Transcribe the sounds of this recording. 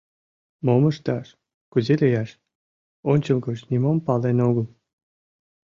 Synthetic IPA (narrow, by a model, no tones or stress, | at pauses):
moməʃt̪ɑʃ | kuzelʲejɑʃ | onʲt͡ɕəmkəʃnʲimompɑlenoɣəl